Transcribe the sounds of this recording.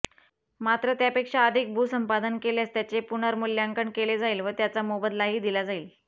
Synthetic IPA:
mat̪ɾət̪japekʂaəd̪ʱik̚bʱuːsəmpad̪ənkeljast̪jat͡ɕepunaɾmulːjaŋkəɳkeled͡zaiːlʋət̪jat͡samobəd̪laɦiːd̪ilad͡zaiːl

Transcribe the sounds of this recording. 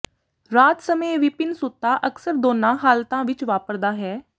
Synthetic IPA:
ɾaːt̪səmeːʋɪpɪnsʊt̪ːaːʔəksəɾd̪oːnãːɦaːlt̪ãːʋɪt͡ʃʋaːpəɾd̪aːɦɛː

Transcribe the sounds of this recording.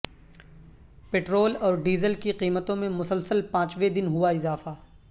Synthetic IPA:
peːʈɾoːlɔːɾɖiːzəlkiqiːmət̪õmẽmʊsəlsəlpãːt͡ʃʋed̪ɪnɦuaɪzaːfaː

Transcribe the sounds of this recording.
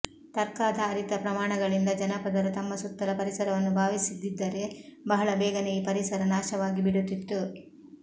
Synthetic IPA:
t̪ɐɾkaːd̪ɐːɾit̪ɐpɾɐmaːɳɐɡɐɭind̪ɐd͡ʒɐnɐpɐd̪ɐɾut̪ɐmːɐsut̪ːɐɾɐpɐɾisɐɾɐʋɐnːubʱaːʋisid̪ːid̪ːɐɾe̞bɐɦɐɭɐbɛːɡɐnejipɐɾisɐɾɐnaːʃɐʋaːɡibiɽut̪ːit̪ːu

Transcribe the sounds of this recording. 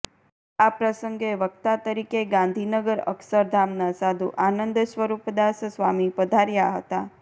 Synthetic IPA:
apɾəsəŋɡeʋək̚t̪at̪əɾikeɡãnd̪ʱinəɡəɾə̰ksəɾd̪ʱamnasad̪ʱuʔanənd̪ʃʋəɾupd̪assʋamipəd̪ʱaɾjaɦət̪a

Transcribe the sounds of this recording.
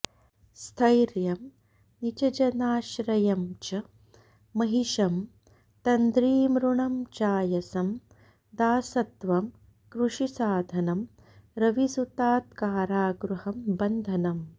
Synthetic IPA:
st̪ʰɐjɾjɐm | nit͡ʃɐd͡ʒɐnaːʃɾɐjɐmt͡ʃɐ | mɐɦiʃɐm | t̪ɐnd̪ɾiːmɾuɳɐmt͡ʃaːjɐsɐm | d̪aːsɐt̪ʋɐm | kɾuʂisaːd̪ʱɐnɐm | ɾɐʋisut̪aːt̪kaːɾaːɡɾuhɐmbɐnd̪ʱɐnɐm

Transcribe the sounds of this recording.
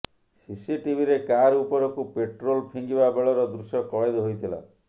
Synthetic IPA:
sisiʈibʱiɾekaɾupɔɾɔkupeʈɾolpʰiŋɡibabeɭɔɾɔd̪ɾusjɔkɔed̪ɔɦojt̪ʰila̰

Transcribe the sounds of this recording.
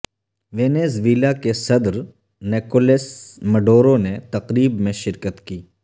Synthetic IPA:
ʋeːneːzʋiːlakesɐd̪ɾ | neːkolesmɐɖoːɾonet̪ɐqɾiːbmẽʃɪɾkət̪kiː

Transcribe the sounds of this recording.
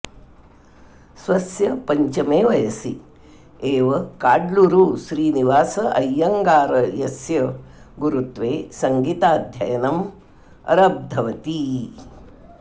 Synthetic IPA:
sʋɐsjɐpɐɲt͡ʃɐmeːʋɐjɐsi | eːʋɐkaːɖluɾuːʃɾiːniʋaːsɐʔɐjːɐŋɡaːɾɐjɐsjɐ | ɡuɾut̪ʋeːsɐŋɡiːt̪aːd̪ʱjɐ̰jɐnɐm | ɐ̰ɾɐb̚d̪ʱɐʋɐt̪i

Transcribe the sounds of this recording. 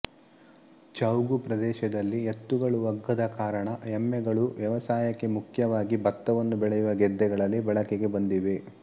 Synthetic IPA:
t͡ʃɐwɡupɾɐd̪ɛːʃɐd̪ɐlːiet̪ːuɡɐɭuʋɐɡːɐd̪ɐkaːɾɐɳɐɛmːɛɡɐɭuʋjɐʋɐsaːjɐkːe̞mukʰjɐʋaːɡibɐt̪ːɐʋɐnːubɛɭɛjuʋɐɡɛd̪ːɛɡɐɭɐlːibɛɭɐkeɡe̞bɐnd̪iʋe

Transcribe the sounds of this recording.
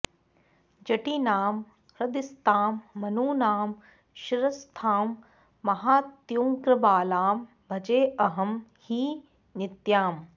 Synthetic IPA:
d͡ʒɐʈiːnaːm | ɾɐd̪ist̪ʰaːmːɐnuːnaːm | ʃɪɾɐst̪ʰaːmː | ɐɦaːt̪jũːŋkɾɐbaːlaːm | bʱɐd͡ʒeːɐɦɐmhiː | nɪt̪jaːm

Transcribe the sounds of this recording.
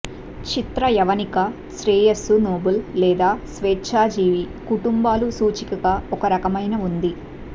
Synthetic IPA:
t͡ʃit̪ɾɐjɐʋɐnikɐ | t͡ʃɾeːjɐsunoːbulːɛːd̪aːsʋeːtːʃaːd͡ʒiːʋikuʈumbaːlusuːt͡ʃikɐɡaɔkɐɾɐkɐmɐjnɐund̪i

